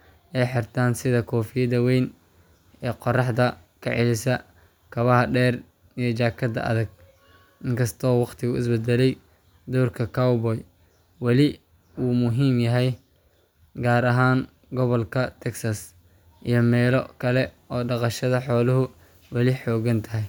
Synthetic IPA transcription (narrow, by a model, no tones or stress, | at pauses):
ɛjħɪrt̪ʰaːnsɪðɐkʰɔːfɪjɐðɐwɛjn | ɛːqɔrɑħd̪ɐ | kʰɐ̰ʕɪlɪsɐ | kʰɐβɐɦɐɖɛːr | ijɞt͡ʃaːkʰɐd̪ɐ̰ʔɐ̰ðɐɡ̚ | ʔɪŋkʰɐst̪ʰɔːwɑqt̪ʰɪɣʊɪ̰sbɛd̪ɛlɛj | d̪ɔːrkʰɐkʰawbɔj | wɑlɪ | uːmʊɦiːmjɐɦɛj | ɡaːɾɐɦaːn | ɡɔβɔlkʰɐt̪ʰɛksɐs | ʔijɞmɛːlɔkʰɐlɛʔɔːɖɑqɑʃɐðɐħɔːlʊɦʊ | wɑlɪħɔːɣɐnt̪ʰɐɦɛj